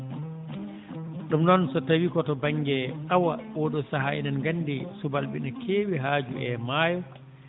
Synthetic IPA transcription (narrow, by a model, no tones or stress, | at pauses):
ɗumnɔnsɔtawikɔtɔbaŋːɡɛʔawawɔɗɔsaɦaḭnanɡanːdisubalɓḭnakʰeːwiɦaːd͡ʒuɛmaːjɔ